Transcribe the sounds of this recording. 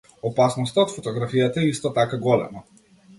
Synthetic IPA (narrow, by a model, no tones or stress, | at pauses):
ɔpasnɔst̪aot̪fot̪ɔɡɾafijat̪aɛist̪ɔt̪akaɡɔlɛ̰ma